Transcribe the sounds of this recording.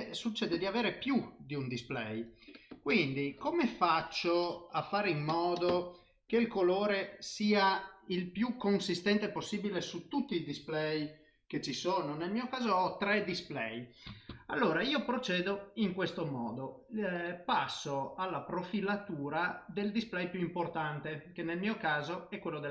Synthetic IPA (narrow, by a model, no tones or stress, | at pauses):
sut͡ʃːɛːd̪ed̪iaveːɾepjud̪iund̪isplɛ̰jkwind̪ikomefat͡ʃːoafːaːɾeimːɔːd̪o | keilkoloːɾesiːailpjukːonsist̪ɛnt̪eposːiːbilesut̪ut̪ːiːd̪isplɛj | ket͡ʃːisoːnonelmiːokaːzoɔt̪ɾɛd̪isplɛ̰jalːoːɾaiːopɾot͡ʃɛːd̪oiŋkwest̪omɔ̰ːd̪o | pasːoalːapɾofilat̪uːɾad̪eld̪isplɛjpjuimport̪ant̪ekenelmiːokaːzoɛkwelːod̪e